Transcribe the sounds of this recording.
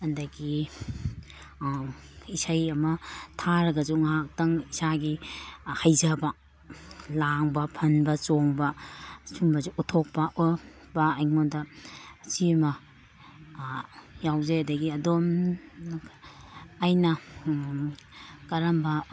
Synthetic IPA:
ɐndɐɡi | isajɐmɐtʰaɾɐɡɐzuŋɦak̚tɐŋisaɡihajzɐbɐ | laŋbɐpʰɐnbɐt͡ʃoŋbɐsumbɐzuʔutʰok̚pɐʔo | bɐːjŋondɐt͡ʃimɐ | jawzeɐdɐɡiɐdom | jnɐ | kɐɾɐmbɐ

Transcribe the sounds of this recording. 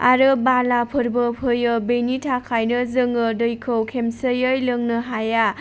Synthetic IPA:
a̰ɾɯbalapʰɯɾbɯpʰɯjɯbejnitʰakʰajnɯzɯŋɯdɯjkʰɯwkʰemsɯjɯjlɯŋnɯɦaja

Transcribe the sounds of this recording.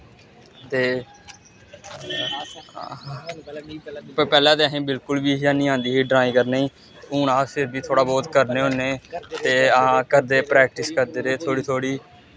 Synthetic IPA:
t̪eː | ppɛːlãːd̪eəɦẽːbɪlkʊlbiːɦiaːnĩːãːnd̪iːɦiːɖɾaːĩːkəɾneĩː | uːnaːsɪɾbiːt̪ʰoːɽaːbɔːt̪kəɾneːɦõːneːt̪eːakəɾd̪eːpɾɛːk̚ʈɪskəɾd̪eːɾeːt̪ʰoːɽiːt̪ʰoːɽiː

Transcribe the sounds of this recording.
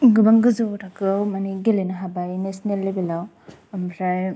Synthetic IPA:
ɡɯbaŋɡɯzoɾakɯwmaniɡelenaɦabajnesnelːebilaw | mpʰɾaj

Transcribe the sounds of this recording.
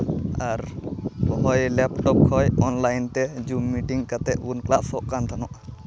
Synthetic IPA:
aɾbɔɦɔjlɛp̚ʈɔp̚kʰɔjɔnlajnt̪ɛd͡ʒumːiʈiŋkat̪ɛʔunklaʔsɔʔkant̪ʰanɔʔ

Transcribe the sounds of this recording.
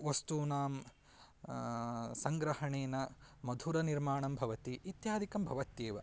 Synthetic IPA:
ʋɐst̪unaːm | sɐŋɡɾɐhɐɳeːnɐmɐd̪ʱuɾɐniɾmaːɳɐmbʱɐʋɐt̪iːt̪jaːd̪ʱikɐmbʱɐʋɐt̪jeːʋɐ

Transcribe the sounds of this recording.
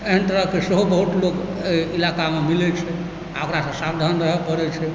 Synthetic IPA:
eɦənt̪əɾəɦkeseɦobəɦut̪lokilakamemilɛt͡ʃʰɛ | aokɾasə̃sabd̪ʱanɾəɦɛpəɾɛt͡ʃʰɛ

